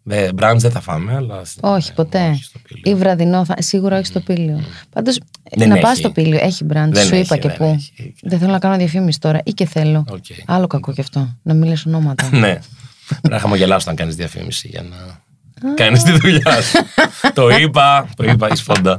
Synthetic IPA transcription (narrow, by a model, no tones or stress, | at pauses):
ðebɾɐnd̪zðeθɐfɐ̰meɐlɐo̞çi̥po̞t̪e̞ivɾɐðino̞θɐsiɣuɾɐoçist̪o̞piliopɐnd̪o̞snɐpɐst̪opilio̰ʔeçibɾɐnd̪ssuipɐcepuðeθelonɐkɐnoðjɐfimisi̥t̪o̞ɾɐʔiceθe̞lo̞oceɐlo̞kɐko̞cɐft̪o̞nɐmilisono̞mɐt̪ɐne | ɐxɐmoʝelɐsot̪ɐŋkɐnizðiɐfḭmḭsiʝɐ̰nɐ | ɐkɐnist̪iðuʎɐst̪oipɐt̪oip̬ɐisfond̪ɐ